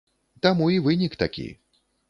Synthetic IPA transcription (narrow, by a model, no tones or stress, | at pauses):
t̪amuivɨnʲikt̪akʲḭ